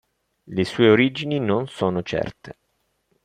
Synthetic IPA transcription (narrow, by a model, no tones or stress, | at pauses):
lesuːeoɾid͡ʒininonsoːnot͡ʃɛ̰rt̪e